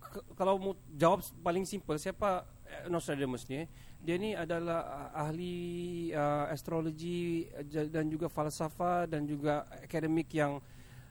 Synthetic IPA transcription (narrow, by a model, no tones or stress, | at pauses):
kalawmu | d͡ʒawap̚palɪŋsimpəlsiapa | nɔsadəməsni | dianiadalahahli | əast̪ɾoloɡi | dand͡ʒuɡafalsafadand͡ʒuɡaakadəmɪkjaŋ